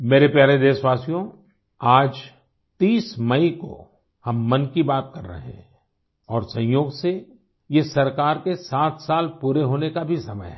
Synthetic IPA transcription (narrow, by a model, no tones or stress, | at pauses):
meːɾepjaːɾed̪eːsʋaːsijõ | aːd͡ʒ | t̪iːsmɐiko̰ | hɐmːɐnkibaːt̪̚kɐɾːə̰ɦɦɛ̰̃ | ɔːɾsɐ̃j̃joːɡse | jesɐɾkaːɾkesaːt̪ʰsaːlpuːɾeɦoːnekabʱisɐmə̰jɦɛː